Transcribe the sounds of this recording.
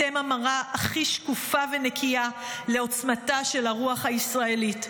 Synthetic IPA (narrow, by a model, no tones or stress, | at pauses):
emamaʁaʔaχiʃkufavene̞kʰia | le̞o̞t͡smataʃe̞laʁuaχhaisʁae̞lit